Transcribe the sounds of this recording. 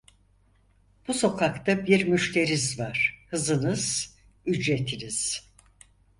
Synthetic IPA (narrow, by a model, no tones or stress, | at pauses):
b̥uso̞kʰakt̪ʰabiɾmyʃt̪ʰe̞ɾizvaɾ̥hɯzɯnɯz̥ | yd͡ʒɾet̪ʰiniz̥